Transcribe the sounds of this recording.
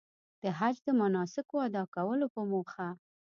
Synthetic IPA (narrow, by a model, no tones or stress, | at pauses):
d̪̥əɦad͡ʒd̪əmanɑsɪkoad̪ɑkawəlopəmoxa